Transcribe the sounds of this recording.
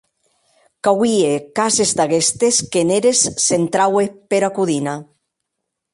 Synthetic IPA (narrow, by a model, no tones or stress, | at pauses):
kawiekazezd̪aɣest̪eskeneɾesːent̪ɾawepeɾakuðina